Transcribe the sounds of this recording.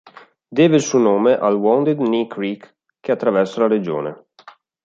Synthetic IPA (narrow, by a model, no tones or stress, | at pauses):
d̪eːveilsuonoːmeʔalwɔnd̪ed̪nikɾiːk | kːeat̪ːɾavɛrsalaɾed͡ʒo̰ːne